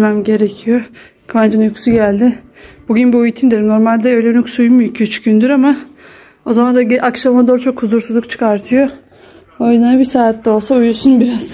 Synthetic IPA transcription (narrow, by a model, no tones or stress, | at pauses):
mæmɟe̞ɾecʰijo | kʰvand͡ʒɯnjukʰu̥suɟælʲd̪ɪ | buɟynbiujit̪ʰind̪iɾno̞ɾmalʲd̪ɛø̞jlʲɛnuksujmujcʰyt͡ʃʰy̥cynd̪yɾama | o̞zamand̪aɟʔakʃamad̪oːɾt͡ʃʰo̞khuzuɾsuzˠukt͡ʃʰɯ̥kʰaɾt̪ʰɯjo | ojzanabisaːt̪lɛo̞lˠsaujusunbiɾaz̥